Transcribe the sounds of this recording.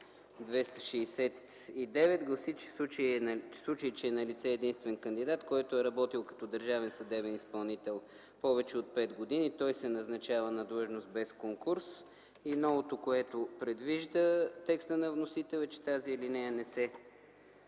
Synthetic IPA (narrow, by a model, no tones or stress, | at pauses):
d̪vɛst̪ə̥ʃɛːsɛt̪id̪ɛvɛt̪ɡlˠɐsit͡ʃɛsˠut͡ʃiɛslˠut͡ʃəit͡ʃɛːnɐlit̪sɛːd̪inst̪vɛnkənd̪id̪at̪kɔjt̪oɛɾɐbɔt̪ilˠkɐ̥t̪ɔd̪əɾʒavɛnsɐd̪ɛbɛnispɐlˠnit̪ɛlˠ | pɔvɛt͡ʃɛot̪̚pɛt̪ɡod̪init̪ɔjsɛnɐznɐt͡ʃavənɐd̪lˠɤʒnost̪̚bɛskoŋkuɾs | inɔvot̪okoɛt̪opɾɛd̪viʒd̪ət̪ɛkst̪ənɐvnosit̪ɛlʲˠɛt͡ʃɛ̥t̪aziːlinɛjənɛsɛ